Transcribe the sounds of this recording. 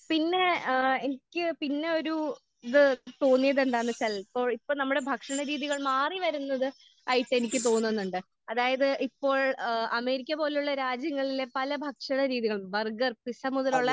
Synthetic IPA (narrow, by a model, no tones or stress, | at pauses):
pinːe̞e̞nikʲːɨpinːe̞o̞ɾu | iðɨt̪o̞ːnːijɐðend̪aːɳɨsɐlipːo̞ːɭipːoːɭnɐmːuɽe̞bʱɐkʂɐɳɐɾiːðiɣɐɭmaːriʋɐɾunːɐðɨ | ɐjiʈːɨe̞nikʲːɨt̪̬o̞ːnːuenːuɳɖɨ | ɐðaːjɐðɨʔipːo̞ːɭɐme̞ːɾikʲːɐpo̞ːlejuɭːɐɾaːd͡ʑjɐŋːɐɭilepɐlɐbʱɐkʂɐɳɐɾiːðiɣɐɭmbɐrɡɐrpisɐmuðɐloɭːɐ